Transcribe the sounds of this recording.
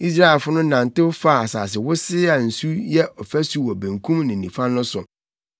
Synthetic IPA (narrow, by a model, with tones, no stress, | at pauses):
i˦s̬ɾa˦˨ɛ˨lfʊ˦nʊ̃˦nã˨n˨tɪ˦fa˦˨a˨sa̰ː˨s̬ɪ˨wʊ˦sɪ˦a˨n̩˨su˦jɛ˦ʔɔ˨fæ˦su˦wɔ˨bæ̃˨ŋkʰũ˦mnɪ̃˨nĩ˨fã˦nnʊ̃˦sʊ̰˨